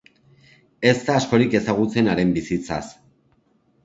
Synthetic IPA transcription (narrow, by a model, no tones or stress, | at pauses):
e̞zt̪aːsko̞ɾike̞saɣ̞ut͡se̞naɾe̞mbisit͡sa̰s